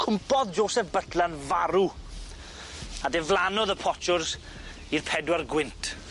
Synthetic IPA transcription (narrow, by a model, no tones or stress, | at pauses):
kʰʊmpɔðd͡ʒoːsɛfbətʰlanvaɾu | adɛvlˠanɔðəpʰɔt͡ʃʊrs | irpʰɛdwarɡwɪntʰ